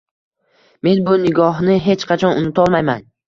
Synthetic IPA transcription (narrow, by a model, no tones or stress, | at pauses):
me̞nbʊnɪɡɒɦnɪɦe̞t͡ʃqʰɑt͡ʃʰɒnʊnɪt̪ʰɒlˠmajman